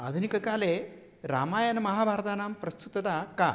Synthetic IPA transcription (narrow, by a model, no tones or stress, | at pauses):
ad̪ʱunikɐkaːle | ɾaːmaːjɐnmɐɦaːbʱaːɾt̪aːnaːmpɾɐst̪ʰut̪ɐd̪aka